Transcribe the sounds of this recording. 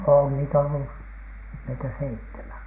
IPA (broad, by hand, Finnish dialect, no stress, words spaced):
on niːtæ olːu meitæ seitːemæn